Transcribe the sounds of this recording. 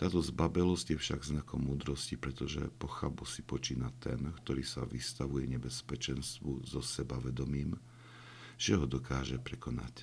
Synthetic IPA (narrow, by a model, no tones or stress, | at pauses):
t̪aːt̪ɔzbabɛlɔzcjɛfʃaɡznakɔmːuːd̪ɾɔscipɾɛt̪ɔʒɛ̰pɔxabusipɔt͡ʃiːnat̪ɛ̰nkt̪ɔɾiːsa̰ʋist̪aʋujɛɲɛbɛspɛt͡ʃɛnst̪ʋuzɔsɛbaʋɛd̪ɔmiːm | ʒ̥ɛɦɔd̪ɔkaːʒɛpɾɛkɔna̰c